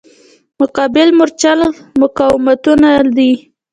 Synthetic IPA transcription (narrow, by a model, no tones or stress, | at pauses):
mʊqɑbɪlmʊɾt͡ʃalmʊkɑwɪmat̪unad̪i